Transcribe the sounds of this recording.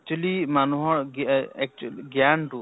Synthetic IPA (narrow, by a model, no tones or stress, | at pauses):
k̚t͡ʃuəlimanuɦɔɾɡɛk̚t͡ʃlɡjanʈu